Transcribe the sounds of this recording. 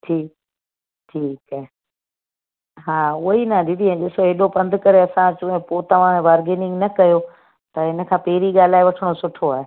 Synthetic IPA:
ʈʰiːk̚ | ʈʰiːkaːɦe | ɦaːʊɦinɐɗɪd̪ʱiẽɗɪsoɦeːɗopɐ̃nd̪ʱʊkɐɾeɐsãt͡ɕʊːẽpoːt̪ɐʋ̤ãʋaːɾɡeːnɪ̃ŋɡnɐkɐjo | t̪ɐɦɪnə̆kʰãːpeːɾiɠaːl̤aːeʋɐʈʰəɽ̃osʊʈʰoaːɦe

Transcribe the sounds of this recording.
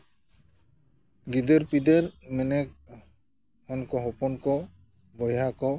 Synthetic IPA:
ɡid̪ɔɾpideɾmɛnɛk̚ | hɔnkɔɦɔpɔnkɔ | bɔjakɔ

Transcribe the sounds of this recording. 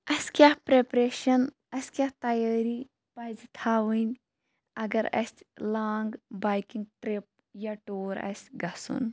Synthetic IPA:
ɐskʲaːhpɾepɾeːʃɐn | ɐsʲkʲaːht̪ɐjəːɾi | pɐzt̪ʰaːʋənʲ | ɐɡɐɾɐ̰sʲlaːŋɡbaːjkiŋɡʈɾep̚ | jaʈoːɾɐ̰sɡɐsṵn

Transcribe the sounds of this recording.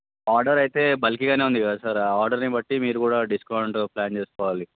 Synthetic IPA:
aːɾɖɐɾɐjit̪e̞ːbɐlikiɡaːne̞ːund̪ikɐd̪asaːɾaːaːɾɖɐɾnibɐʈːimiːɾukuːɽaːɖiskɐwɳʈplaːnt͡ʃe̞ːsu̥kɔːʋaːli

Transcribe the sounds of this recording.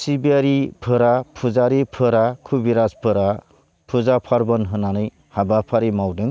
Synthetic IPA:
sibiaɾipʰɯɾapʰuzaɾipʰɯɾakʰubiɾaspʰɯɾa | pʰuzapʰaɾbɔnɦɯnanɯj | habapʰaɾimawdɯŋ

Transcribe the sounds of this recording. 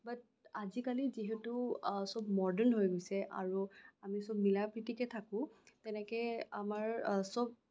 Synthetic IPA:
bat̚ | azikaliziɦɛtusɔbmɔɹdənɦojɡojsɛʔa̰ɹuamisɔbmilapɹitikɛtʰakʊ̃tɛnɛkɛamaɹsɔb̚

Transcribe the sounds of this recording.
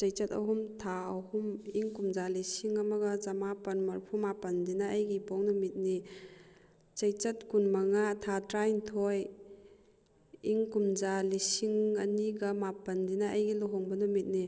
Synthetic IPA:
t͡ʃɐjt͡ʃɐtɐ̰ɦumtʰaɐhumiŋkumd͡ʒalisiŋɐmɐɡɐzamapɐnmɐɾpʰumapɐndinɐːjɡibɔŋnumit̚ni | t͡ʃɐjt͡ʃɐt̚kunmɐŋatʰatɾajntʰɔj | iŋkumd͡ʒalisiŋɐniɡɐmapɐndinɐːjɡiluɦɔŋbɐnumit̚ni

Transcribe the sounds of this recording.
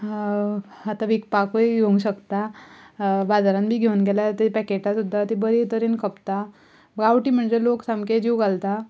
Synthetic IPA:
at̪aʋikpakəjɡʱeŋɡɕəkt̪a | bad͡zaɾãnbʱiːɡʱeunɡʱelat̪epɛkeʈasud̪ʱːat̪ibəɾit̪əɾinkʰəpt̪a | ɡaʋʈiːm̤əɳd͡zeloksamked͡ʑiwɡalt̪a

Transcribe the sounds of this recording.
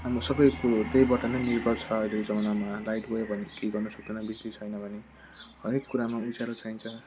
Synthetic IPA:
ɦamosʌbʌjkot̪ejbʌʈːanejnirbʌlt͡sʰʌːjleod͡zʌmʌnamalajʈɡoebʱʌnekeɡʌrnʌsʌk̚d̪enʌbislit͡sʰʌjnʌbʱʌne | ɦʌɾekːuɾamaud͡zaɾot͡sʰajnt͡sʰʌ

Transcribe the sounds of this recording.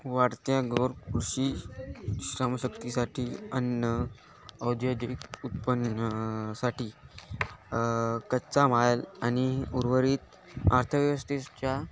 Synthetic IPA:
ʋaɽt̪jaɡoɾkuɽɕiː | ɕɾamɕəkt̪isaʈʰiːənːə | əwd̪ʱjod̪ʱikut̪̚pənəsaʈiː | kətt͡samalañiuɾʋəɾiːt̪ | aɾt̪ʰəʋjəʋəst̪it͡ɕja

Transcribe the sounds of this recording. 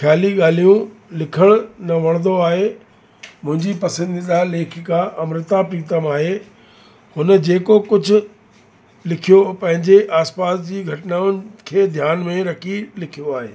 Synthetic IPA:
xjaːliɠaːl̤ijũlɪkʰəɽ̃nɐʋɐɽ̃nd̪oaːɦe | mʊ̃ɦɪ̃ɲd͡ʑipɐsə̃nd̪id̪aleːkʰɪkaʔɐmɾɪt̪apɾiːt̪əmaːɦeː | hʊnə̆d͡ʑeːkokʊd͡ʑʱʊ̆ | lɪkʰijopɐ̃ɦɪ̃ɲd͡ʑeʔaːspaːsd͡ʑiːɡʱɐʈnaːʊnɪ̆kʰeːd̪ʱjaːnmẽɾɐkʰilɪkʰijoaːɦḛː

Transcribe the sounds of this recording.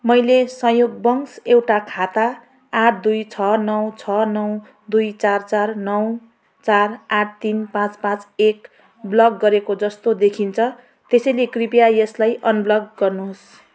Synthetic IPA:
mʌjlesʌjoɡ̚bʌŋsewʈakʰat̪aː | ʈʰd̪ujt͡sʰʌnʌwt͡sʰʌnʌw | d̪ujt͡sart͡sarnʌw | t͡saraʈ̚ʰt̪inpãt͡spãt͡sek | blʌɡɡːʌɾekod͡zʌst̪od̪ekʰint͡sʰʌ | t̪esʌjlekripijajʌslajʔʌnblʌɡɡʌrnus

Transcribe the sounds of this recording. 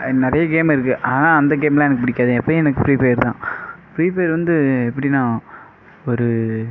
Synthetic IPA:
nɪɾɐjɐɡeːmɪɾɯk̬ːɯʔaːðnãːɐnd̪ɐɡeːmlãːɛnɐkːɯpʊɽɪkːaːðɯ̃ɛpːɐɛnɐkːɯfɾiːpeːɾt̪ã̰ːpɾiːpeːɾʋɐnd̪ɯɛpːɐɽɪnãː | ɔɾɯ

